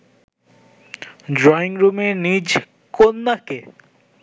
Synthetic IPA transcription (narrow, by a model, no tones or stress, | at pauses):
ɖɾɔiŋɾumenid͡ʑ | konːake